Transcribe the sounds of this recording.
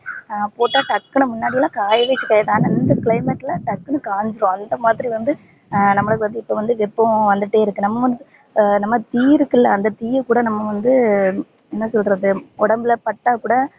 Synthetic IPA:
poːʈːaːʈɐkːɐɳɯmʊnːaːɽɪjɐlãːkaːjɐʋeːt͡ʃːɯkːaːjɐðãːnɐɪnd̪ɐkɪɭɐɪmɛʈːɪlɐʈɐkːɯnɯkaːɲd͡ʒɪɾõɐnd̪ɐmaːðɪɾiʋɐnd̪ɯ | nɐmːɐɭɐɯkːɯʋɐnd̪ɯɪpːoːʋɐnd̪ɯʋɛpːõʋɐnd̪ɯʈːeːɪɾɯkːɯnɐmːɐʋɐnd̪ɯ | nɐmːɐt̪iːɪɾɯkːɪlːɐɐnd̪ɐt̪iːɾkuːɽɐnɐmːɐʋɐnd̪ɯ | ɛnːɐsɔlkɾɐðɯɔɽɐmbɪlɐpɐʈːaːkuːɽɐ

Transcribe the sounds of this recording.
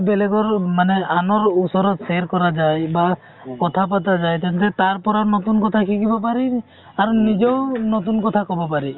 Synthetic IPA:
bɛlɛɡɔɹmanɛanɔɹusɔɾɔt̪seɹkɔɾad͡ʒajba | kɔt̪ʰap̬at̪̬azajt̪ɛnt̪ɛt̪aɹpɔɾanɔt̪unkɔt̪ʰakʰikibɔpaɾi | aɾunid͡ʒɔwnɔt̪̬unkɔt̪ʰakɔbɔpaɾi

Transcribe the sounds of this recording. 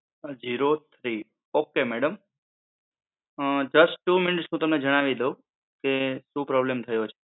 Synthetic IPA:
d͡ʒiɾot̪ʰɾi | okemɛɽəm | d͡ʒəsʈʈːumɪnɪʈsnũt̪əmned͡ʒəɽ̃aʋid̪eũ | keʃũpɾɔblemt̪ʰəjot͡ʃʰe̥

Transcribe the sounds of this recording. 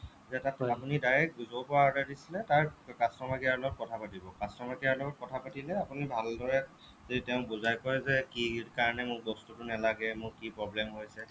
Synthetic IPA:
zɛtatapunidaɹɛk̚zopɔadɛdisilɛtaɹkastɹɔmakiaɹlɔɡɔt̚kɔtʰapatibɔkastɹɔmakiaɹlɔɡɔt̚kɔtʰapatilɛapunibʱaldɔɹɛ | zoditɛʊ̃buzajkɔjzɛkiɹkaɹnɛmʊɹbɔstutʊnɛlaɡɛmʊɹkipɹɔblɛmɦojsɛ

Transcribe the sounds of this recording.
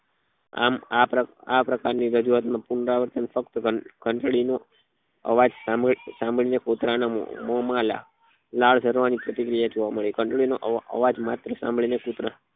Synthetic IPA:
a̰mapɾəapɾəkaɾniɾəd͡ʒuʋat̪mãpunɾaʋəɾt̪ənfəkt̪əkʰəɳʈɭino | ə̰ʋad͡ʒsamsãmbɭinekot̪ɾana̰mɔmala̰ | laɭsəɾʋanipɾət̪ikɾijad͡ʒoʋaməɭekʰəɳʈɭinoʔə̰ʋad͡ʒmat̪ɾəsã̰mbɭinekot̪ɾa

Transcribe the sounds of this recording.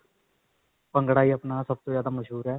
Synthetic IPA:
pəŋɡɽaːiːəpnaːsəb̚t̪oːzjaːd̪aːməʃɦuːɾɦɛː

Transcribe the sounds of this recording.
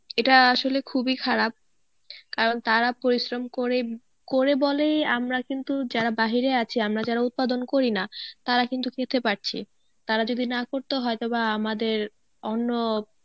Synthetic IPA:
eʈaaʃolekʰubikʰaɾab̚ | kaɾont̪aɾapoɾiʃɾomkoɾe | koɾebolejamɾakint̪ud͡ʑaɾabaɦiɾeat͡ɕʰiamɾad͡ʑaɾaut̪̚pad̪onkoɾinat̪aɾakint̪ukʰet̪ʰepaɾt͡ɕʰḭ | t̪aɾad͡ʑod̪ʱinakoɾt̪eɦɔet̪obaamad̪eɾ | onːo

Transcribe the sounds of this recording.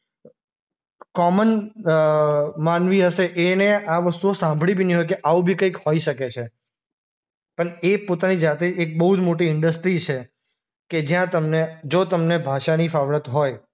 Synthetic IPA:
kɔmən | manʋiɦəʃeʔeneaʋəst̪uosãmbʱɭibʱiniɦojkeʔaubʱikəikhoiʃəket͡ʃʰe | pəɳepot̪anid͡ʒat̪eek̚bəɦud͡ʒmoʈ̬iɪɳɖəsʈɾit͡ʃʰe | ked͡ʒjãt̪əmned͡ʒot̪əmnebʱaʃanifaʋɽət̪ɦoj

